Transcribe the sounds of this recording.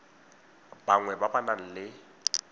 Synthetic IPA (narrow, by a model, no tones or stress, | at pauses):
baŋwɛbabanan̩lɪ